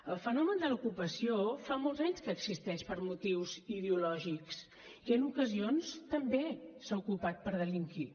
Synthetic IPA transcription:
əlˠfənɔmənd̪əlukupəsiofamolˠzaɲskəːɡzist̪ɛʃpəɾmut̪iwziðeulɔʒiks | iənukəzionst̪əmbesaukupat̪̚pəɾðəliŋki

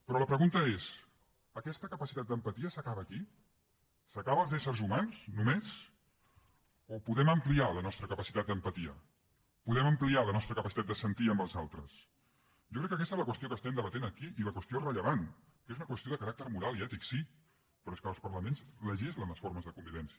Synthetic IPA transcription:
pɾɔləpɾəɣunt̪əez | əkɛst̪əkəpəsit̪at̪̚d̪əmpət̪iəsəkaβəːki | səkaβəːlˠzɛsəɾzumansnumez | opuðɛməmplialənɔst̪ɾəkəpəsi̥t̪at̪̚d̪əmpət̪iə̰ | puðɛməmplialənɔst̪ɾəkəpəsit̪at̪d̪əsənt̪iəmbəlˠzalˠt̪ɾəs | ʒɔkɾɛkːəkɛst̪ezləkwəst̪iokəst̪ɛmd̪əβət̪enəkiʔiləkwəst̪iorəʎəβan | kezunəkwəst̪ioðəkəɾak̚t̪əɾmuɾalˠiɛt̪iksi | pɾɔeskəlˠspəɾləmenzləʒizlənləsfoɾməzðəkumbiβɛnsi

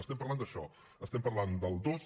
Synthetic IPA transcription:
əst̪ɛmpəɾland̪əʃɔ | əst̪ɛmpəɾland̪əlˠd̪oz

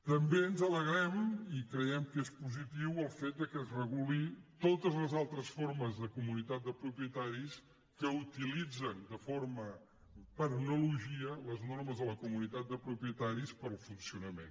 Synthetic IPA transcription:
t̪əmbeənzələɣɾɛmikɾəɛmkespuzit̪iwəlˠfet̪̚d̪əkəzrəɣulit̪ot̪əzləzalˠt̪ɾəsforməzðəkumunit̪at̪̚d̪əpɾupiət̪aɾis | kəut̪ilid͡zənd̪əformə | pəɾnuluʒiələznorməzðələkumunit̪at̪̚d̪əpɾupɾiət̪aɾispəɾlˠfunsiunəmḛn

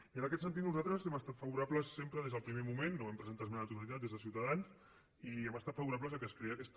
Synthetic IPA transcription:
iənɐkɛt̪sənt̪it̪nuzat̪ɾəzɛməst̪at̪faβuɾapləsːempɾəðezðəlˠpɾimemumenːoβɛmpɾəzənt̪azmanət̪uɾalit̪at̪d̪ezðəsiwt̪aðans | iɛməst̪at̪faβuɾap̬ləzəkəskɾeakɛst̪

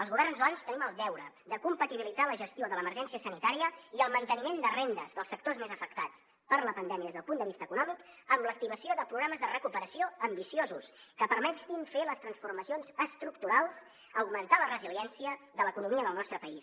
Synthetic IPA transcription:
əlˠzɣuβɛrnzðɔnst̪əniməlˠd̪ɛwɾə | ðəkumpət̪iβilid͡zaləʒəst̪ioðələmərʒɛnsiəsənit̪aɾiəiəlˠmənt̪ənimend̪ərend̪əzðəlˠsːək̚t̪ozmezəfək̚t̪at͡s | pəɾləpənd̪ɛmiəðezðəlˠpund̪əβist̪əːkunɔmikəmlək̚t̪iβ̞əsioðəpɾuɣɾaməzðərəkupəɾəsioəmbisiozuskəpəɾmɛt̪infeləst̪ɾənsfurməsionzəst̪ɾukt̪uɾalˠz̥ | əwɡmənt̪alərəziliɛnsiəðələkunumiəðəlˠnɔst̪ɾəpəis

